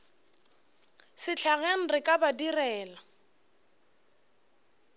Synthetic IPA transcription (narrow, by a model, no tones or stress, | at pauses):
sɪt͡ɬʰaɣeŋ̩rɪkʼabadirɛːla